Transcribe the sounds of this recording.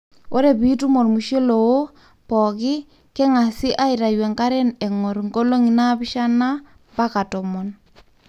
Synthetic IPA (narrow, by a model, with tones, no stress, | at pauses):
o˦ɾɛ˨bi˦tu˦mɔ˨lmu˨ʃe˦lo˨wo˦ | pɔ˨kɪ˦ | kɛ˦ŋa˨sɪ˦ʔa˦i˨ɾa˨jwɛ˨ŋka˦ɾɛ˦nɛ˨ŋɔ˨ɾŋɡo˦lo˦ŋi˨na˦bɪ˦ʃa˦na˦ | pa˦ka˨tɔ˨mɔ˨n